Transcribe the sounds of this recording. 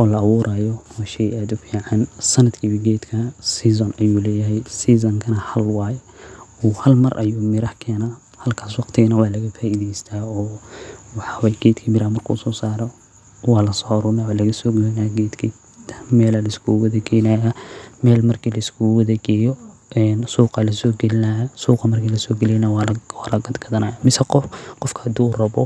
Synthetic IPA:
ʔɔːlɐɐwuːɾʔaːjɔwaːʃɛjaːd̪ʊfiːʕɑnsɐnɐd̪kʰiːβɐɡɛːd̪kʰɐsiːs̬ɔnɐjuːlɛːjɐɦɛjsiːs̬ɐŋkʰɐnɐhɐlwɑːj | uːhɐlmɐrʔɐ̰juːmɪɾɐhkʰɛːnaː | hɐlkʰaːswɑqt̪ʰɪɣɐnɐwɑːlɐɣɐfaːʔiðɛjst̪ʰaːɔːwɑħɑwɛjɡɛːd̪kʰɐmɪɾahmɐrkʰṵːsɔːsaːɾɔ | wɑːlɐsɔɾʊnawalɐɣɐsɔːɡɛlɛnaːɡɛːd̪kʰi | mɛːlɐlɐskʰʊwɐðɛɡɛjnajɐmɛːlmɐrkʰiːlɐɪskʰʊwɐðɐɡɛːjɔ | ʔɛːnsuːqɑlɐsɔːɡɛlɪnɐjɐsuːqɑmɐrkʰiːlɐsɔːɡɛlɛjnɐwwɑlɐɡɐd̪ɡɐðɐnaːjamɪsɐqɔqɔfkʰɐ̥hɐd̪uːʊrɐβɔ

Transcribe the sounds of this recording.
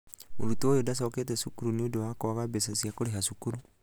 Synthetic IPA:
oɾutojodasɔːketesukuɾuniodowakoaɣabesasiakoɾeɦaʃukuɾu

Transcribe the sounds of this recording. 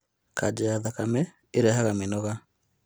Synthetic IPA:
kad͡ʒɛjaðakamɛ | eɾɛhaɣamenɔɣa

